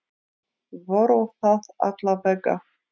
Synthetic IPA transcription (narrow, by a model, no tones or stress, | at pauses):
vɔɾɔwθaða̰t̪lavɛkːa̰